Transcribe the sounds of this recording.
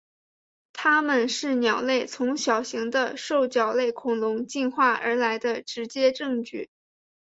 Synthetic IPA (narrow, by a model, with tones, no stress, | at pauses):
t̪ʰa˥mə˨nʂɻ̩˥˩njɑ˨˩ʊle˥˩ɪt͡sʰʊ˧˥ŋɕjɑ˨˩ʊɕi˧˥ŋd̪ə˧ʂo˥˩ʊt͡ɕjɑ˨˩ʊle˥˩ɪkʰʊ˨˩ŋlʊ˧˥ŋt͡ɕi˥˧nxwa˥˩ʔə̰˞˧˥la˧˥ɪd̪ə˧ʈ͡ʂɻ̩˧˥t͡ɕjɛ˥ʈ͡ʂɤ˥˧ŋt͡ɕy˥˩